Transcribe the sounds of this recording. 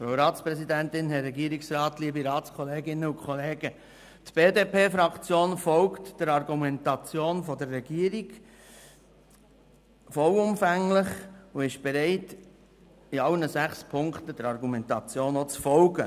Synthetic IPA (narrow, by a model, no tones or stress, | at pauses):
fɾaʊɾɑːtspɾɛsid̪æntɪnɦɛɾɛɡiːɾɪksɾɑːtliːbiɾɑːtskʰɔleːɡɪnːəʊkʰɔleːɡ̥ə | tb̥eːdeːpeːfɾɑkt͡sjoːnfɔlktd̥əɾɑɾɡumɛntɑt͡sjoːnfɔdəɾːɛɡ̥iːəɾiɡ | fɔlʊmfæŋlɪχuɪʃb̥ɛɾɛɪt | iɑlnəsæχspʰʊŋktəd̥əɾɑɾɡumɛntɑt͡sjoːnot͡sfɔlɡə